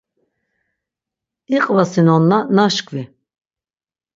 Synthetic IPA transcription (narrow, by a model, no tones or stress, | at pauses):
iqʼvasinɔnːanaʃkʰvi